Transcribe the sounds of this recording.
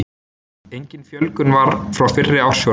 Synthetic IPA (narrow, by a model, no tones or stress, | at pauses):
ejɲcɪnfjœlkʏnvaɾfɾawfɪrːɪawɾ̥sjo